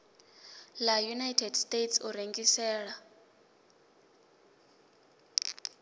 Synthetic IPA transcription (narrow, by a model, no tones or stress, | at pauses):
lajunajtʰɛdstʼetsuɾeŋɡisɛːɺa